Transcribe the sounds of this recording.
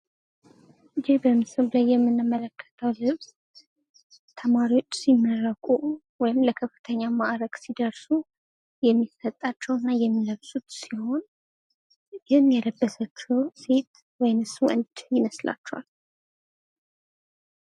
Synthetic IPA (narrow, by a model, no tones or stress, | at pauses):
ɨd͡ʒibəmɨsɨllajːɛmːɨnːɨmːələkʰːə̥t̪ʰəwlɨβz̥ | t̪ʰəmaɾiwo̞t͡ʃːsimːərəkʼu | wɔjɪmləkʰəfɨ̥t̪ʰəɲːamaʔɾəɡ̥sid̪əɾsu | jɛmːisət̪ʼːat͡ʃːɛwɨnːajɛmːiləβsʼut̪siho̞n | jɪhmjɛləbːəsət͡ʃːɛwse̞t̪ | wɔjnɨsuʔɨnd̪jɪməsla̰t͡ʃːɛwa̰l